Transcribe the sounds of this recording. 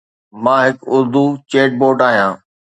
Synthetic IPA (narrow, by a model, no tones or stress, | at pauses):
mãːɦɪkʊɾd̪ut͡ɕeːʈ̚boːʈaːɦijãː